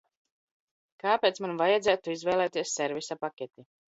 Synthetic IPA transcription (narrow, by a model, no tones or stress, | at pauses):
kaːpeːt̪smanvajad̪zæːt̪uizvɛːlˠɛːt̪iɛssːɛɾvisapakʲɛt̪ʲi